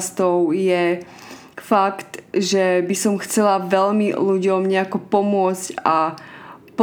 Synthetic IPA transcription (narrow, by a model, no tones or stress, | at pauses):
st̪ɔʊjɛ | fakt̪ʒɛbisɔmxt͡sɛlaʋɛlmiluɟɔmɲɛakɔpɔmʊɔt͡sca | p